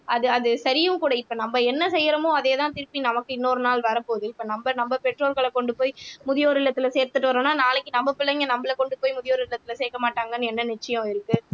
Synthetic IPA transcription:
ʔɐðɯɐðɯsɐɾɪjɯ̃mkuːɽɐɪpːoːnɐmbɐɛnːɐsɛjːɾɐmõːɐðeːðãːt̪ɪɾɯpːinɐmɐkːɯɪnːoːɾɯnaːlʋɐɾɐpoːðɯɪpːoːnɐmbɐnɐmbɐpɛʈroːlɣɐɭɐkɔɳɖɯpoːjmʊðɪjoːɾɯɪɭːɐt̪ːɪlɐseːɾt̪ɯʈːɯʋɐɾõːnːaːnaːlɐkːɯnɐmbɐpɪɭːɐŋɡɐnɐmbɐlɐkɔɳɖɯpoːjmʊðɪjoːɾɯɪɭːɐt̪ːɪlɐseːkːɐmaːʈːaːŋɡɐnːɯɛnːɐnɪt͡ʃːɐjʊ̃ɪɾɯkːɯ

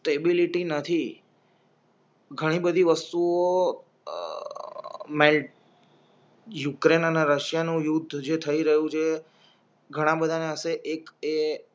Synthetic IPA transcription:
sʈebiliʈinət̪ʰi | ɡʱəɽ̃ibəd̪ʱiʋəst̪uo | melʈ | jukɾenəneɾəʃijanũjud̪ʱːd͡ʒet̪ʰəiɾəɦũt͡ʃʰe | ɡʱəɽ̃ãbəd̪ʱaneəseʔeke

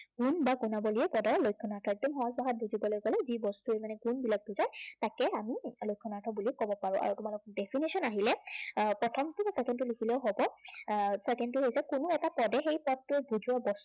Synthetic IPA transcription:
ɡunbakunabɔlijɛpɔdɔɹlojkʰːɔnaɹtʰɔɛk̚dɔmxɔɦɔsbaɦat̚bʱuzibɔlojkɔlɛzibɔstuemanɛɡunbilak̚buzajtakɛamilojkʰːɔnaɹtʰɔbulikɔbɔpaɹʊ̃ʔa̰ɹutʊmalʊkdɛpʰinisɔnaɦilɛpɹɔtʰɔmtʊsɛkɛntʊlikʰilɛʊɦobɔ | sɛkɛntʊɦojsɛkʊnʊɛtapɔdɛxejpɔtːʊbuzuwabɔs

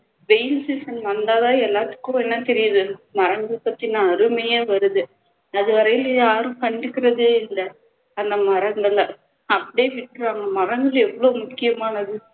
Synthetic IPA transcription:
ʋeɪnsisɐnʋɐnd̪aːðãːɛlːaːt̪ːɯ̥kːʊ̃ɛnːɐt̪ɛɾɪjɐðɯmɐɾɐŋɡɐɭpɐt̪ːinãːɐɾɯmɐjeːʋɐɾɯðɯ | ɐðɯʋɐɾɐjɪljaːɾʊ̃pɐɳɖɯkːɪɾɐðɯɪlːɐ | ɐnd̪ɐmɐɾɐnd̪ɐlɐ | ɐpːɐɽijeʋɪʈːɯɾaːŋɡɐmɐɾɐŋɡɐɭɛʋːɐɭoːmʊkːɪjɐmaːnɐðɯ

